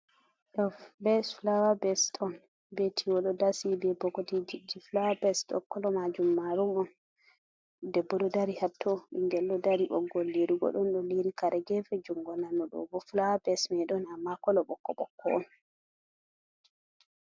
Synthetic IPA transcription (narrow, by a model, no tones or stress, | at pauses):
ɗɔfbɛflawabɛstʰɔn | bɛtʰiwɔɗɔdasibɛbɔkɔtid͡ʒid͡ʒiflawabɛstɔ̰kːɔlɔmad͡ʒumːaɾumɔn | dɛbːɔɗɔdaɾihatʰːɔɓiŋɡɛlːɔdaɾiɓɔ̰ɡɔlːiɾiɡɔ̰ɗɔnɗɔliɾikaɾɛɡɛfɛd͡ʒuŋɡɔnanːɔɗɔ̰bɔflawabɛsmɛɗɔnamːakɔlɔɓɔkːɔɓɔkːɔɔn